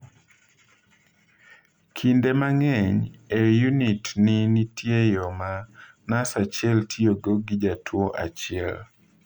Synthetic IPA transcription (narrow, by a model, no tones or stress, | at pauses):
kʰindemaŋɛɲejunitninitjejɔma | nasat͡ʃɪɛltʰioɡoɡid͡ʒatʰwoʔa̰t͡ʃɪɛ̰l